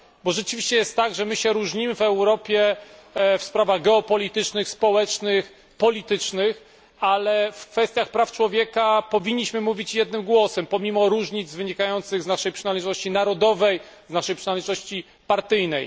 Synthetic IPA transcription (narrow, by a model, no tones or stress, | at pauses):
bɔʐɛt͡ʂɘvʲiɕt͡ɕɛjɛst̪ːaɡʐɛmɘɕɛɾuʐɲimɘvɛwɾɔpʲjɛ | fspɾavaɣɡɛɔpɔlʲit̪ɘt͡ʂnɘxspɔwɛt͡ʂnɘx | pɔlʲit̪ɘt͡ʂnɘx | alɛfkfɛst̪ʲjaxpɾaft͡ʂwɔvʲjɛkapɔvʲiɲːiɕmɘmuvʲit͡ɕjɛd̪̚nɘmɡwɔsɛmpɔmʲimɔɾuʐɲid̪zvɘɲikajɔnt̪sɘɣznaʂɛjpʂɘ̥nalɛʐnɔɕt͡ɕinaɾɔd̪ɔvɛj | znaʂɛjpʂɨnalɛʐɔɕt͡ɕi | paɾt̪ɘjnɛj